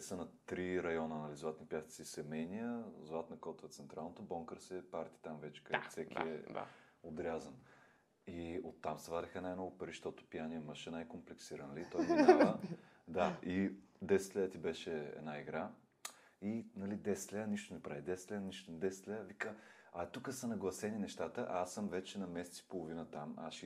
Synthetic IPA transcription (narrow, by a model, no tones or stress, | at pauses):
sənɐt̪ɾiɾɐjɔnənɐlizlˠat̪nipjast̪tsisɛmɛjnijəzlˠat̪nɐkɔt̪vɛt̪sɛnt̪ɾʔalˠnot̪obɔŋkəɾsɛpaɾt̪i̥t̪amvɛt͡ʃɛ̥kəfsɛk̪ʲḭɛa̰ | od̪ɾʲazən | iot̪ːamsɛvad̪ɛxənajmnɔɡʊpɐɾiʃt̪ɔt̪ʊ̥pijaniɛməʃɛnajkomplɛksiɾənlit̪ɔjɡɲʲavəd̪aid̪ɛsɛt̪lɛət̪ibɛʃɛɛ̰d̪naiɡɾa | inɐlid̪ɛst̪lɛəniʃt̪onɛpɾavid̪ɛst̪lʲɛəniʃt̪onɛd̪ɛsɛ̥t̪lɛəvikə | ɐt̪ukəsɐnɐɡlˠɐsɛninɛʃt̪at̪əʔaasːəmvɛt͡ʃɛnɐmɛsɛ̥tsi̥polˠovinət̪amaʃi